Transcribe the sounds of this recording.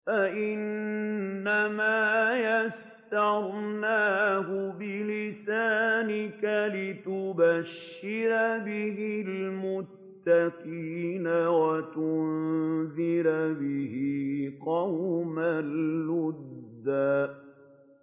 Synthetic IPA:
faʔɪnː | amaːjas | t̪ɑɾˤnaːhʊbɪlɪsaːnɪkalɪt̪ʊbaʃːɪɾabɪɦɪlmʊt̪ːaqiːnawat̪ʊnðɪɾbɪhiqɑwmalːʊd̪ːaː

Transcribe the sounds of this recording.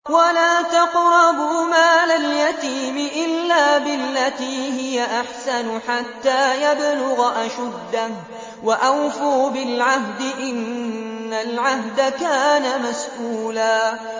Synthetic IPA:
walaːt̪ɑqɾɑbmaːlaljat̪iːmɪʔɪlːaːbɪlːat̪iːhɪjaʔaħsanʊħat̪ːaːjablʊɣʔaʃʊd̪ːa | waʔawfʊɾbɪlʕahd̪ɪʔɪnː | alʕahd̪akaːnamasʔuːlaː

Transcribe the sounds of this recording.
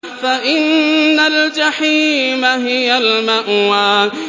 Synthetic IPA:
faʔɪnːald͡ʒaħiːmaɦɪjalmaʔwaːn

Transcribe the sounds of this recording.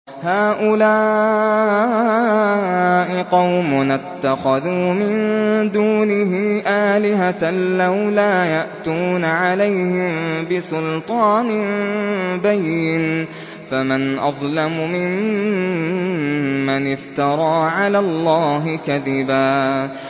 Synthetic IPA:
haːʔʊlaː | ʔɪqɑwmʊnat̪ːaxaðuːmɪnd̪uːnɪɦiːʔaːlɪɦallawlaːjaʔt̪uːnaʕalajhɪmbɪsʊlt̪ˤɑːnɪ | bajːɪn | famanʔɑðˤlamʊmɪm | anɪft̪ɑɾˤɑːʕalaːlˤːɑːɦɪkaðɪbaː

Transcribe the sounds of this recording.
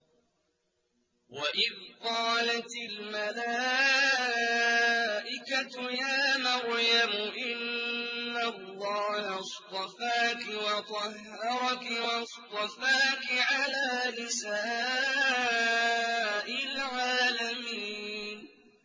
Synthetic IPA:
waʔɪðqɑːlat̪ɪlmalaː | ʔɪkatʊjaːmaɾjamʊʔɪnː | alːɑːhast̪ˤɑfaːkɪwɑt̪ˤɑh | ɑɾˤɑkɪwɑst̪ˤɑfaːkɪʕalaːnɪsaː | ʔɪlʕaːlamiːnn

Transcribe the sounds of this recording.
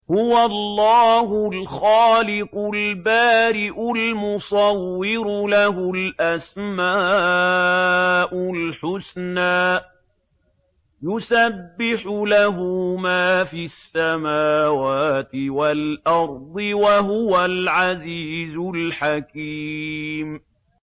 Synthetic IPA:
hʊwalːɑːɦʊlxaːlɪqʊlbaːɾɪʔʊlmʊsˤɑwːɪɾʊlahʊlʔasmaː | ʔʊlħʊsnaː | jʊsabːɪħʊlaɦʊmaːfisːamaːwaːt̪ɪwalʔɑɾˤd̪ˤɨwaɦʊwalʕaziːzʊlħakiːm

